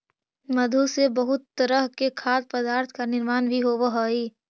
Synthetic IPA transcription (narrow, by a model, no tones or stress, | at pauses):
məd̪ʱusebəɦʊt̪ːəɾəɦkekʰaːd̪̚pəd̪aːɾt̪ʰkanɪɾmaːnbʱiɦoːʋəɦoːiː